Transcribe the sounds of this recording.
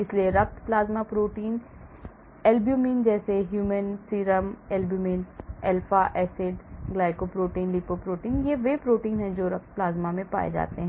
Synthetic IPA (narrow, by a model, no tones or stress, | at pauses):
ɪslieɾɐk̚t̪plaːzmapɾoːʈiːn | ɛːlbjuːmiːnd͡ʒɛːseɦjuːmənsiːɾəmɛːlbjuːmiːnɛːlfaʔɛːsɪɖɡlaːɪkopɾoːʈiːnliːpopɾoːʈiːnjeʋeːpɾoːʈiːnɦɛ̃d͡ʒoːɾɐk̚t̪̚plaːzmamẽpa̰ːḛd͡ʒa̰ːt̪eɦɛ̃ː